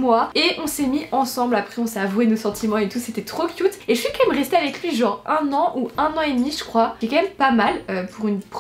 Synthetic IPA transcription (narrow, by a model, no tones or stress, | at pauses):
mwaeʔɔ̃sɛmiʔɑ̃sɑ̃blapχɛɔ̃sɛavwenosɑ̃t̪imɑ̃et̪uset̪ɛt̪χokʲjut̪eʒəfikaɛmʁɛst̪eavɛklɥiʒɑ̃ʁɛ̃nɑ̃ʔuɛ̃nɑ̃ed̪miʒəkχwaɛkamɛmpamaløpʰuʁynp